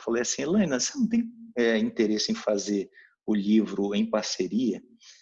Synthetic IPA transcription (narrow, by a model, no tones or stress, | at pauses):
falejasĩlɐ̃j̃nɐsenɐ̃w̃t̪ẽj̃ɛĩnt̪eɾesɪẽj̃fazeɾ | ʊlivɾʊẽj̃paɾseɾiɐ